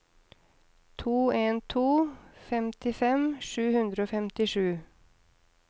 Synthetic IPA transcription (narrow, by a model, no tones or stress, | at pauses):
t̪ʰuːeːnt̪ʰuːfɛmt̪ɪfɛmʃʉːhʉnd̪ɾəoːfɛmt̪ɪʂʉː